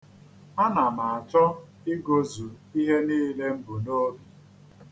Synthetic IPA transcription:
a˦na˨ma˨a˨t͡ʃɔ˦ | i˦ɡo˦zu˨ | i˦ɦe˦niː˦le˦m̩˦bu˨no˦bi˨

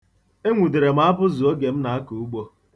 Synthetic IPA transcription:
e˦ŋʷu˨di˨ɾe˨m̩˦a˦pʊ˦zu˨o˦ɡe˨m̩˦na˨a˦ku˨u˦ɡ͡bo˦

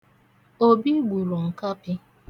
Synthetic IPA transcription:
o˦bi˦ɡʷu˨ɾɔ˨ŋ̩˨ka˦pɪ˦

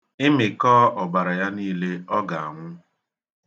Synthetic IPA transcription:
ɪ˦mɪ˨kɔː˦ʔɔ˨ba˨ɾa˨ja˦niː˦le˦ɔ˦ɡa˨a̰˨ŋʷʊ˦

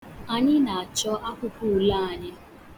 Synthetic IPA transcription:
a˨ɲɪ˦na˨a˨t͡ʃɔ˦ʔa˦kʷʊ˦ku˦˨la˦˨a˨ɲɪ˦

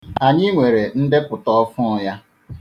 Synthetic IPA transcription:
a˨ɲɪ˦ŋʷe˨ɾe˨n̩˦dɪ˦pʊ˨tɔ˦ɔ˦fʊ˦ja˦

